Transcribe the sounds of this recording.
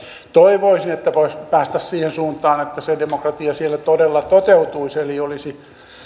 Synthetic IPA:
t̪oiʋoisinet̪ːæpoispæːst̪æssiːhensuːnt̪ˑɑːnet̪ːæsedemokrɑt̪iɑsielːæt̪odelːɑt̪ot̪eut̪uiseliolisi

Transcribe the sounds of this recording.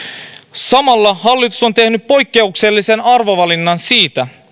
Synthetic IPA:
sɑmɑlːɑhɑlːit̪u̥so̞nt̪ehnyppo̞jkːe̞ukse̞lːise̞nɑrʋo̞ʋɑlinːɑnsiːt̪æ

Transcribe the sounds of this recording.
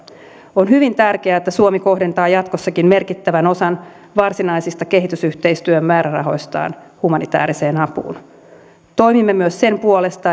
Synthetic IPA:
onhyʋint̪ærk̟eæet̪ːæsuomiko̞hde̞nt̪ɑːjɑt̪kosːɑkimme̞rkit̪ːæʋænosɑn | ʋɑrsinɑjsist̪ɑke̞ɦit̪ysyht̪e̞jst̪yømːmæːɾærɑ̰ɦo̞̰jst̪ɑ̰ːnhumɑnit̪æ̰ːɾise̞ːnɑpṵːn | t̪o̞jmimːemyøsse̞mpuole̞st̪ɑ

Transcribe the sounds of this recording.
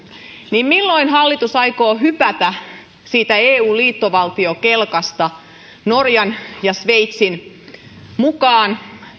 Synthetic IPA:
niːmmilːo̞inɦɑlːit̪usɑjkoːɦypæt̪æ | siːt̪æeːuːliːt̪ːoʋɑlt̪iokelkɑst̪ɑ | norjɑnjɑsʋeit̪sin | mukɑːn

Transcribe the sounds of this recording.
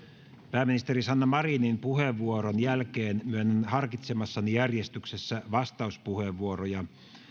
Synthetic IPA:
pæːmːinist̪eɾisɑnːɑmɑrinimpuɦeʋːuoɾonjælkeːnmyønːenhɑrkit̪semɑsːɑnijærjest̪yksesːæʋɑst̪ɑuspuhe̞ʋːuorojɑ

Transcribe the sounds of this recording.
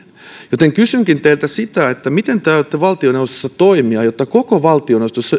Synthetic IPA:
jot̪eŋkysyŋkint̪eilt̪æsit̪æet̪ːæmit̪ent̪æyt̪ːeʋɑlt̪ioneust̪o̥sːɑt̪oimiɑjot̪ːɑkokoʋɑlt̪ionost̪osːɑ

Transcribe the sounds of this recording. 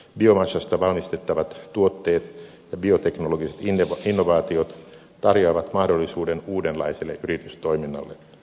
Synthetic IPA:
bio̞mɑsɑst̪ɑʋɑlmist̪e̞t̪ːɑʋɑt̪t̪uo̞t̪ːeːt̪ | jɑbio̞t̪e̞knoloɡiset̪ːinːoʋɑːt̪iot̪ | t̪ɑrjoɑːʋɑt̪mɑhdo̞lːisuːde̞nuːdenlɑ̰iselːeʔyɾit̪yst̪o̞iminːɑ̰lːe

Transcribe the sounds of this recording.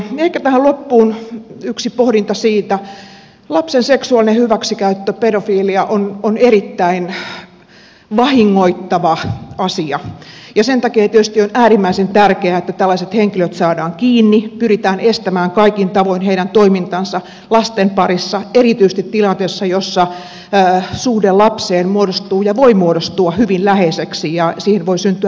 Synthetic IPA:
ehkæt̪æhælopːuːnyksipohdint̪ɑsiːt̪æ | lɑpsenseksuɑlinehyʋæksikæyt̪ːøpedofiːliɑʔononerit̪ːæin | ʋɑhiŋːoit̪ːɑʋɑɑsiɑjɑsent̪ɑkeːt̪iøst̪ionæːrimːæisent̪ærkeæet̪ːæt̪ælːɑiset̪heŋkiløt̪sɑːdɑːŋkiːnːipyrit̪æːnest̪æmæːŋkɑikint̪ɑʋoinheiɾænt̪oimint̪ɑnsɑ | lɑst̪empɑrisːɑerit̪ys̆t̪it̪t̪ilɑnt̪eːsːɑjosːɑ | suːhdelɑpseːnmuodost̪uːjɑʋoimuodost̪uɑhyʋinlæheseksijɑsiːhenʋoisynt̪yæ

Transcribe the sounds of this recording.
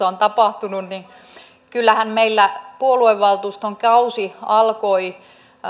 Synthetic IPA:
ɑont̪ɑpɑht̪ununni | kylːæhænmeilːæpuolueʋʋɑlt̪uːst̪oŋkɑusiɑlkoi

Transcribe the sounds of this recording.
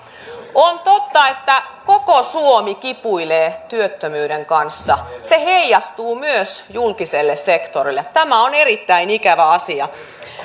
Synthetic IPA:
ont̪ot̪ːɑet̪ːækokosuomikipuileːt̪yøt̪ːømyːdeŋkɑnsːɑseheijɑst̪uːmyøsjulkiselːessekt̪orilːett̪æmæoneɾit̪ːæinikæʋæɑsiɑ

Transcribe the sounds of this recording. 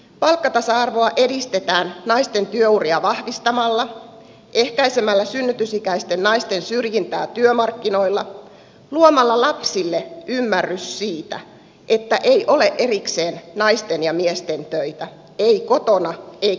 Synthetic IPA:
pɑlkːɑt̪ɑsɑɑrʋo̞ɑʔe̞dist̪et̪æːnnɑist̪e̞nt̪yøuriɑʋɑhʋist̪ɑmɑlːɑ | ʔe̞hkæisemælːæsynːyt̪ysikæist̪e̞nːɑist̪e̞nsyrjint̪æːt̪yømɑrkːino̞ilːɑ | luomɑlːɑlɑpsilːeʔymːærːyssiːt̪æ̰ | ʔe̞t̪ːæʔeijʔo̞le̞ʔʔe̞ɾikse̞ːnnɑist̪enjɑmiest̪e̞nt̪øit̪æ | eiko̞t̪o̞nɑei

